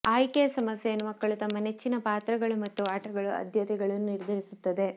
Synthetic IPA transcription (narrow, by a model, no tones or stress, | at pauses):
aːjkesɐmɐsjejɐnːumɐkːɐɭut̪ɐmːɐne̞t͡ʃːinɐpaːt̪ɾɐɡɐɭumɐt̪ːuaːʈɐɡɐɭuɐ̰d̪ʱjɐt̪ɛɡɐɭɐnːuniɾd̪ʱɐɾisut̪ːɐd̪e̞